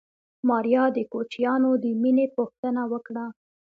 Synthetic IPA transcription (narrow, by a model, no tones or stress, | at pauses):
mɑɾjɑd̪əkot͡ʃijɑnod̪əminepoxt̪ənawəkɽa